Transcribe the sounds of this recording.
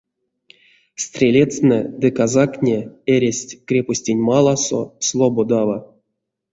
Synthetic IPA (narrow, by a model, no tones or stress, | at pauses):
st̪ʲrʲelʲet͡snɛ̰d̪ɨkazaknʲeeɾʲesʲtʲkrʲeposʲtʲinʲmalˠaso̰slˠobod̪ava